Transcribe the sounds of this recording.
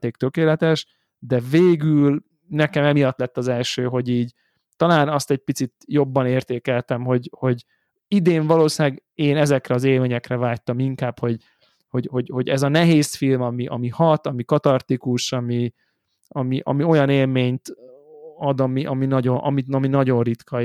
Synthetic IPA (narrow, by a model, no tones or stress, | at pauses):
t̪eːk̚t̪økeːlɛt̪ɛʃ | d̪ɛveːɡyl | nɛkɛmɛmijɒt̪lɛt̪ːɒzɛlʃøːɦo̞ɟiːɟ | t̪ɒlaːnɒst̪ɛɟ̚pit̪sit̪jo̞bːɒneːrt̪eːkɛlt̪ɛmɦo̞ɟho̞ɟ | id̪eːɱvɒloːsaːɡeːnɛzɛkrɛɒzeːlmeːɲɛkrɛvaːc̚t̪ɒmiŋkaːpho̞ɟ | ho̞ɟho̞ɟho̞ɟɛzɒnɛɦeːsfilmɒmiʔɒmihɒt̪ɒmikɒt̪ɒrt̪ikuʃɒmi | ɒmiʔɒ̰mio̞jɒneːlmeːɲt̪ | ɒd̪ɒmiʔɒminɒɟo̞nʔɒ̰mit̪nɒminɒɟo̞nrit̪kʰɒ